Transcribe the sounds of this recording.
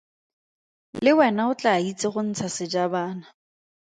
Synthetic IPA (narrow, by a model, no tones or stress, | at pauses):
lɪwɛnaʊt͡ɬait͡sʼɪχʊn̩t͡sʰasɪd͡ʒabaːna